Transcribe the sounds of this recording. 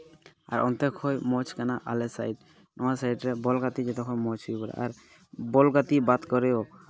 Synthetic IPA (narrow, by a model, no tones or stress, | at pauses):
a̰ɾɔ̰nt̪ekʰojmɔt͡ʃkanaʔa̰lesajɖ | nɔwasajɖɾebɔlɡat̪id͡ʒet̪ɔkʰɔjmɔt͡ʃʰubɔɾa̰ʔa̰ɾ | bɔlɡat̪ibad̪kɔɾeo